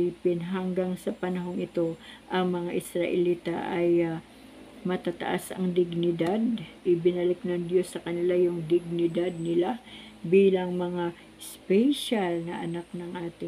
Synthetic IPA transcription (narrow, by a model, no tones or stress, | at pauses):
ipɪnɦɐŋɡaŋsɐpɐnɐɦo̞ŋɪt̪o̞ʔɐŋmɐŋaʔɪsɾɐʔɪliːt̪ɐ̰ʔɐj | mɐt̪aːt̪ɐ̰ʔa̰sɐŋd̪ɪɡnɪd̪ad̪̚ʔɪbɪnɐlɪk̚nɐŋd̪jo̞sːɐkɐnɪlajʊŋd̪ɪɡ̚nɪd̪ad̪̚nɪla | biːlɐŋmɐŋa | spɛjʃalnɐʔɐnak̚nɐŋʔaːt̪ɪ